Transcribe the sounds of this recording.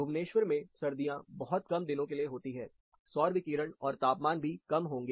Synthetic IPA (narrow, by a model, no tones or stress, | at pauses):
ʊʋneːʃʋəɾmẽsɐɾd̪ijãbɐɦɔt̪̚kɐmd̪ɪnõkelieɦoːt̪iɦɛː | sɔːɾʋɪkiːɾəɽɔːɾt̪aːpmaːnbʱikɐmɦõːŋɡe